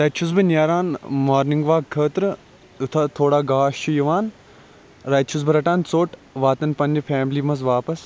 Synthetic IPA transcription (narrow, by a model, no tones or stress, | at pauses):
ɾɐt͡ʃʰuzbɨnaːɾaːnmaːɾniŋɡʋaːɡkʰːəːt̪ɾɨ | ut̪ʰɐt̪ʰoːɽaːɡaːʃt͡ʃʰujɐʋaːn | ɾɐːt͡ʃʰuzbɨɾɐʈaːnt͡soːʈʋaːt̪ɐnpɐnifʰɛːmliːmɐzʋaːpɐs